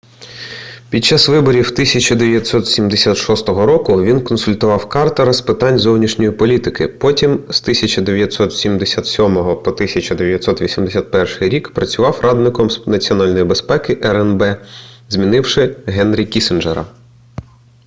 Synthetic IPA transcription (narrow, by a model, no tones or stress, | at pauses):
pʲid̚t͡ʃːɑsʋɪbɔɾʲiwt̪ɪsʲɐt͡ʃɐd̪eʋʲjɐt̪ʲsɔt̪sʲimd̪esʲat̪ʃɔst̪ɔɦɔɾɔkʊʋʲinkɔnsʊlʲt̪ʊʋɑwkɑrt̪ɐɾɐspɪt̪ɑnʲzɔwnʲiʃnʲɔjipɔlʲit̪ɪkɪpɔtʲimst̪ɪsʲɐt͡ʃɐd̪eʋʲjɐt̪sɔt̪sʲimd̪esʲɑt̪sʲɔmɔɦɔpɔt̪ɪsʲɐt͡ʃɐd̪eʋʲjɐt̪sɔt̪ʋʲisʲimd̪esʲat̪̚pɛrʂɪjɾʲikpɾɐt͡sʲʊʋɑwrʔɑd̪nɪkɔmnɐt͡sʲiɔnɑlʲnɔjibespɛkɪʔɛɾɛnbɛzmʲinɪwʃɪɦɛnɾʲikʲisɪnd͡ʒeɾɐ̰